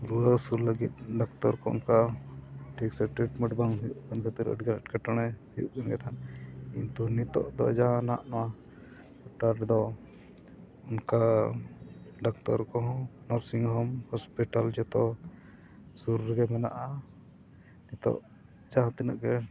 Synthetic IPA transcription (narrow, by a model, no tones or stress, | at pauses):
ɾuəsuɾləɡit̪̚ɖɔkt̪ɔɾkɔṵnka | ʈʰiksɛʈɾiʈmɛ̃ɳʈbaŋɦujuʔkankʰat̪iɾə̰ɖɡalɛʈkɛʈaɽ̃ɛhujṵʔkanɡɛt̪ʰankint̪unit̪ɔ̰ʔd̪ɔ̰d͡ʒaɦãna̰ʔnɔwa | ɔʈaɾʈd̪ɔ | unka | ɖɔk̚t̪ɔɾkɔɦɔ̃nɔɾsiŋɦɔmhɔspiʈald͡ʒɛt̪ɔ | suɾɾɡɛmɛna̰ʔa | nit̪ɔ̰ʔ | d͡ʒaɦãt̪inaʔɡɛ